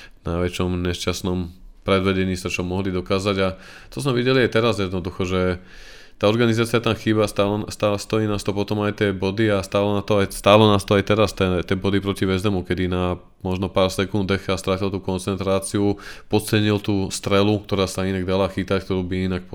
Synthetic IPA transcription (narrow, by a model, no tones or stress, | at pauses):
naʋɛt͡ʃɔmɲɛʃt͡ʃasnɔmpɾɛd̪ʋɛɟɛɲiːsat͡ʃɔmɔɦlid̪ɔkaːzaɟa | t͡ʃɔzmɛʋiɟɛliat̪ɛɾazjɛd̪nɔd̪uxɔʒɛ | t̪aːɔɾɡanizaːt͡siat̪amxiːbast̪alɛnst̪aːlst̪ɔiːnast̪ɔpɔt̪ɔmajt̪ɪɛbɔd̪iast̪aːlɛnat̪ɔajst̪aːlɛnast̪ɔajt̪ɛɾast̪ɛt̪ɪɛbɔd̪ipɾɔciʋɛzd̪ɛmukɛd̪ina | mɔʒnɔpaːɾsɛkund̪ɛxast̪ɾacilt̪uːkɔnt͡sɛnt̪ɾaːt͡siupɔt̪t͡sɛɲilt̪uːst̪ɾɛlukt̪ɔɾaːsainaɡd̪alaxit̪ack̚t̪ɔɾuːbiinak̚p